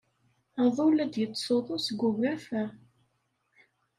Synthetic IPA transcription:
aðˤulæd̪jət͡sːsoðˤosɡʷːʊmæfæ

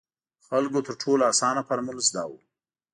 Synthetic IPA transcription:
xalɡot̪əɾʈʰoloasɑnapaɾmʊlzd̪ɑ̰wu

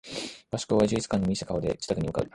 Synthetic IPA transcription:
b̥aɕkoːβaʑɨit͡sɨ̥kãnːomii̥t̪akao̞d̪e̞t͡ɕi̥t̪akɯ̟ɲimɯka̰bɾema

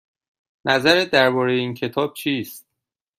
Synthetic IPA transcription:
nʔæzæɾed̪æɾbɒːɾejeiːncʰe̞t̪ʰɒːb̥̚t͡ʃʰiːst̪̚

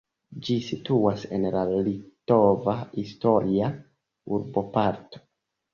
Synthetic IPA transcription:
d͡ʒisituasḛnlalito̞vahisto̞ɾia | uɾbo̞paɾto̥

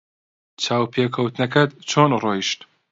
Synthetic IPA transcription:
t͡ʃʰaːwpʰekʰɐwt̪nɐkɐt̪t͡ʃʰoːnroːiʃt̪

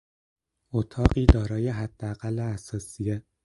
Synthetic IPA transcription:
ʔot̪ʰɒːɢiːd̪ɒːɾɒːjeɦæd̪̥ːeæɣælːeæsɒːsije

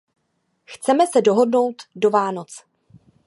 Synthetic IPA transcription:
xt͡sɛmɛsɛdo̞ɦo̞dno̞wt̪do̞vaːno̞t͡s

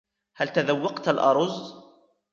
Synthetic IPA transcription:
halt̪aðawːɑqt̪alʔɑ̰ɾˤʊz

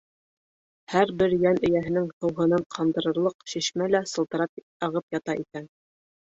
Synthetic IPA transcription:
hæɾbɘɾjænɵ̆jæɦɘ̆nɘŋhɤ̆wɦɤ̆nɤɴqʰɑmd̪ɤ̆ɾɤ̆ɾlˠɤqʃiʃmælæsɤ̆lˠt̪ɤ̆ɾɑp̚ | ɑʁɤpjɑt̪ɑʔikæn

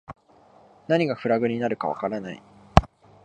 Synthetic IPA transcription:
naɲ̟iɡaɸɯ̟ɾaɡɯ̟ɲ̟ʲinaɾɯ̟kaβa̰kaɾanaḭ

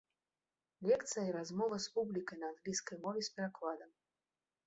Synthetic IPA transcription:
lʲɛkt̪sɨjɐiɾazmɔvɐspublʲikɐjnɐanɣlʲiskɐjmɔvʲɛspʲɛɾaklˠad̪ɐm

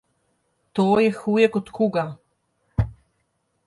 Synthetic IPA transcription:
t̪oːjɛxuːjɛkɔt̪kuːɡa

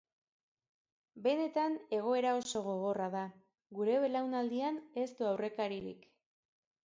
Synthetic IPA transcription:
be̞ne̞t̪ane̞ɣ̞o̞e̞ɾao̞so̞ɣ̞o̞ɣ̞o̞raða | ɣuɾe̞βelawnald̪iane̞st̪uawre̞kaɾiɾḭk

